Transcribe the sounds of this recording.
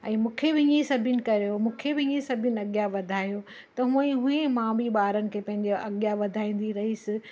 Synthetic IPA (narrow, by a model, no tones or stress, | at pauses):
ɛ̃ːmũːkʰebɪĩẽsɐbʱɪnɪ̆kɐɾjomũːkʰebɪiẽsɐbʱɪnɪ̆ɐɠjaʋɐd̪ʱaːjo | t̪ɐɦũːə̃ĩɦũẽmãbiɓaːɾənɪ̆kʰeːpɐ̃ɦɪ̃ɲd͡ʑeʔɐɠjaʋɐd̪ʱaːĩːn̆d̪iɾɐɦisɪ